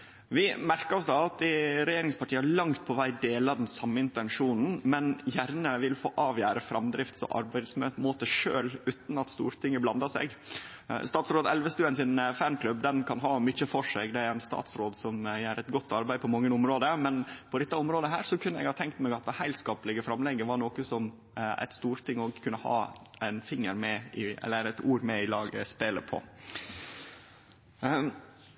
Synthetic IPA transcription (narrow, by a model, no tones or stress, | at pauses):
ʋɪmæɾkəɾɔsd̪ɑːɑt̪̚d̪ɪɾɛjeːɾɪŋspʰɑʈʰiːəɑɭɑŋt̪̚pʰɔʋæɪd̪eːlɑd̪nsɑmːəɪnt̪ɛnʂuːnn̩mɛnjæɾnəʋɪlfo̰ːʔɑːʋjæːɾəfɾɑmd̪ɾɪft̪sɔ̰ʔɑ̰ɾbæɪsmømoːt̪əʂøːlʉːt̪n̩ɑt̪st̪ṵːɾt̪ʰɪŋːəblɑnd̪ɑsɛ̰ɡ̰ | st̪ɑːt̪sɾoːd̪ɛlʋəst̪ʉːənsɪnfænkʰlʉbd̪ɛnkʰɑnɦɑːmʏc͡çəfɔʂɛɡd̪ɛæɾænst̪ɑ̰ːt̪sɾoːd̪sɔmjæːɾɛt̪ɡɔt̪ːɑɾbæɪd̪pɔmɑŋːəʊmɾoːd̪əmɛnpʰɔd̪ɛt̪ːɑʊmɾoːd̪əɦæːɾsɔkʰʉnːəɛ̰ɡhɑːt̪ʰɛŋkt̪mɛɡɑt̪̚d̪ɛhæɪlskɑːpəlɪɡəfɾɑmlɛɡːəʋɑɳoːkəsɔm | æ̰ɪt̪st̪uːɾt̪ʰɪŋɔɡkʰʉnːəhɑ̰ːæɪnfɪŋːəɾmɛɪɛ̰lːəɾɛt̪uːɾmɛɪlɑːɡə̰speːlə̰pʰɔ̰